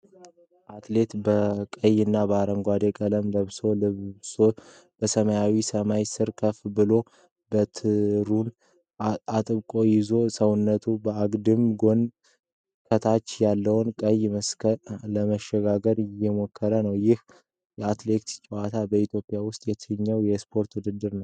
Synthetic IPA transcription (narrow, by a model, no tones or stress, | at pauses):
ʔat̪le̞t̪bəkʼəjɨnːabəaɾəŋɡʷad̪ekʼələmləβso̞so | b̥əsəməjawisəmajsɨɾkʰəfbɨlo̞ | bət̪ʰɨɾun | at̪ʼɨβkʼo̞jɪzo̞səwnːət̪ʰubəaɡd̪ɨmɡo̞n | kʰət̪ʰat͡ʃːjalːəwʊnkʼəjːməskələməʃːɛɡaɡəɾjɛmo̞kʰːəɾənəwjɪh | jɛat̪le̞t̪t͡ʃʼɛwat̪ʰabəit̪ʰjo̞pʼijawʊst̪ʼjɛt̪ʰɨɲːəwjɛspʰo̞ɾt̪wʊd̪ɨd̪ːɨɾnəw